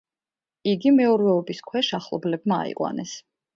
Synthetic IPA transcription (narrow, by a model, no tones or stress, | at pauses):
iɡimɛuɾvɛɔbiskʰwɛʃaχlˠɔ̰blɛbma̰ːḭqʼwa̰nɛs